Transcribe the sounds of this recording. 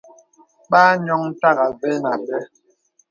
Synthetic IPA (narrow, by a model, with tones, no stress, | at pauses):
ɓaː˦ɲɔ˦ŋ̩˦ta˦ɣa˨zɛ˦na˨bɛ˦